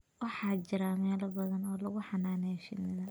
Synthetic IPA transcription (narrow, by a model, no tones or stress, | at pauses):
wɑħɑːt͡ʃɪɾaːmɛːlɐbɐðɐnɔːlɐɣʊħɑnaːnɛːʃɪ̰nɪðɐ